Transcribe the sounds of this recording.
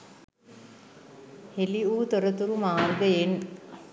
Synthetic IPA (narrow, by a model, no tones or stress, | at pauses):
heliuːt̪oɾət̪uɾumaːɾɡəjen